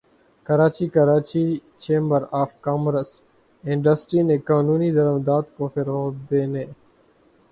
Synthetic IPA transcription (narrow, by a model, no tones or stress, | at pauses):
kəɾaːt͡ʃiːkəɾaːt͡ʃiː | t͡ʃẽːmbəɾaːfkaːmɾəs | ɪ̃ɳɖəsʈɾiːnẽːkaːnuːniːd̪əɾəmd̪aːt̪koːfɪɾoːd̪eːneː